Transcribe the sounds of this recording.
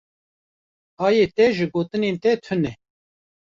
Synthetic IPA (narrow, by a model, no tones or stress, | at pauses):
ɑːjeːt̪ɛʒɨɡoːt̪ɨneːnt̪ɛt̪ʰɨnɛ